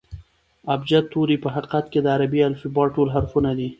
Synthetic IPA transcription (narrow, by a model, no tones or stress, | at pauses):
abd͡ʒat̪ːoɾipəɦaqi̥qat̪ked̪əaɾabialfibɑʈolɦaɾxunad̪i